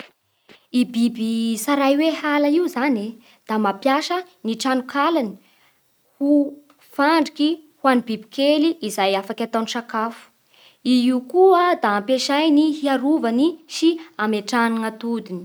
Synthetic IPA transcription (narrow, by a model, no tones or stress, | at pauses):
ibibisaɾajwehalaiuzani | d̪̥amapjaʃəniʈ͡ʂanukʰalani̥ | hu | faɳɖ͡ʐikihwanibibi̥keliʔizajafakʲat̪anʃakafu̥ | iiukuəd̪aːmpeʃajniɦiaɾuvaniʃiameʈ͡ʂaninat̪ud̪ini̥